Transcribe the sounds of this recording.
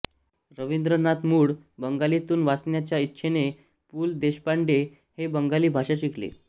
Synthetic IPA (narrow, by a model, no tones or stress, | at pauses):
ɾəʋind̪ɾənat̪muːɽbəŋɡalit̪uːnʋasnjat͡ɕjaitːɕʰene | puːld̪eɕpaɳɖe | hebəŋɡaliːbʱaʂaɕiklḛ